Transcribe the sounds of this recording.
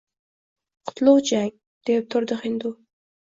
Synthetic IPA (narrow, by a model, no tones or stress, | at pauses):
qʰʊ̥t̪lˠowd͡ʒaŋ | d̪̥ep̚t̪ʰʊɾd̪ɨχɪnd̪u